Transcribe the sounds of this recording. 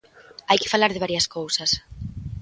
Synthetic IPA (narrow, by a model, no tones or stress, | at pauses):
ajkɪ̥falaɾðɪβaɾjɐskowsɐs